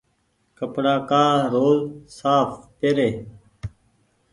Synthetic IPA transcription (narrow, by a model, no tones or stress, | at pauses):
kəpɽaːkaːɾoːlsaːfpeɾeː